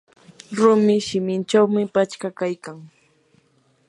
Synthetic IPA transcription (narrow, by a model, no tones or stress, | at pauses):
ɾʊmɪʃɪmɪnt͡ʃawmɪpat͡ʃkakajkaŋ